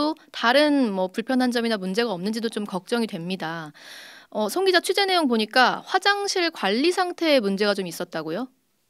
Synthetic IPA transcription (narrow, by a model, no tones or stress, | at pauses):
otaɾɯnmʌpuɭpʰjʌnɦand͡ʑʌminamund͡ʑe̞ɡaʌmnɯnd͡ʑidot͡ɕomkʌk̚t͡ɕ͈ʌŋidwe̞mɲida | ʌsʰoŋɡid͡ʑat͡ɕʰɥid͡ʑe̞ne̞joŋpoɲik͈aɸwad͡ʑaŋɕʰiɭkwaʎːisʰaŋtʰe̞ːmund͡ʑe̞ɡat͡ɕomis͈ʌt̚t͈aɡojo